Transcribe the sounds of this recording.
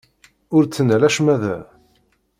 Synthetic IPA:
ʊɾt͡sːənælæʃmæðæ̰

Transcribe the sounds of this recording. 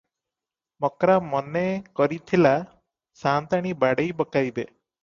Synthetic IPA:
mɔkɾamɔnekɔɾit̪ʰila | sant̪aɽ̃ibaɽejbɔkajbe

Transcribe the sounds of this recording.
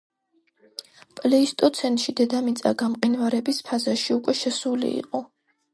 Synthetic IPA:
pʼlɛist̪ʼɔt̪sʰɛnt̪ʼʃid̪ɛd̪amit̪sʼaɡamqʼinvaɾɛbispʰazaʃiukʼwɛʃɛsulḭḭqʼɔ

